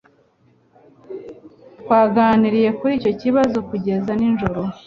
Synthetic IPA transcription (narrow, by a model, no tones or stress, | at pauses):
tkwaːɡaːniɾije̞kuɾiːco̞ciβazokuɟe̞zaninʒo̞ɾo̞